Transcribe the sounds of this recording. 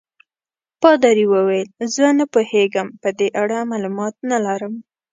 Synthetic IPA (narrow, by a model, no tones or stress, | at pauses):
pɑd̪ɑɾiwəwajlzənapoheɡəmpəd̪eʔaɽamalumɑt̪̚nalaɾəm